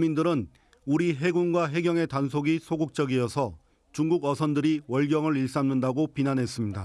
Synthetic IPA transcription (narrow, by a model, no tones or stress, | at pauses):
mindɯɾɯn | uɾiɦe̞ɡuŋɡwaɦe̞ɡjʌŋe̞tansʰoɡisʰoɡuk̚t͡ɕ͈ʌɡijʌsʰʌ | t͡ɕuŋɡuɡʌsʰʌndɯɾiwʌɭɡjʌŋɯɾiɭs͈anːɯndaɡopinanɦe̞s͈ɯmɲida